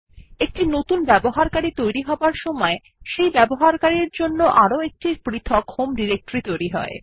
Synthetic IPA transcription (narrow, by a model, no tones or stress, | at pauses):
ek̚ʈinot̪unbɛboɦaɾkaɾit̪ojɾiɦɔbaɾʃɔmɔe | ʃejbɛboɦaɾkaɾiɾd͡ʑonːoʔaɾoek̚ʈiɾpɾit̪ʰokʰhomɖiɾek̚ʈoɾit̪ojɾiɦɔ̰e